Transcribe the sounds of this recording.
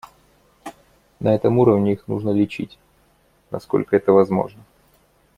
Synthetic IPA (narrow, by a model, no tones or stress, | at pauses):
nʔɐɛt̪əmuɾəvnʲɪixnṵʐnəlʲɪt͡ɕitʲ | nɐ̰sko̞̰lʲkəɛt̪əvɐzmo̞̰ʐnə